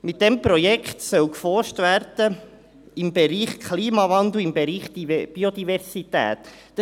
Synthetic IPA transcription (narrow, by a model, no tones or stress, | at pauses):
mɪt̚d̥ɛmpɾɔjɛkχt̪sœwkfɔɾʃtvæɾd̥ə | ɪmbeɾiːχkʰliːmɑvɑnd̪l̩ɪmbeɾiːχd̥̪b̥iod̪ivɛɾsit̪æ̰ːt̪ | d̥